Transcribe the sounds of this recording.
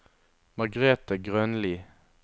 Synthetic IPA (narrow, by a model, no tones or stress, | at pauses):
mɑʁɡʁeːt̪əɡʁœnliː